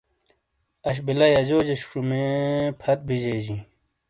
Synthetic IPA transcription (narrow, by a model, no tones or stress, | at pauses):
ɐɕ̬bilɐjɐd͡ʑoːd͡ʑeɕʈ͡ʂumepʰɐt̪̚bid͡ʑeːd͡ʑĩ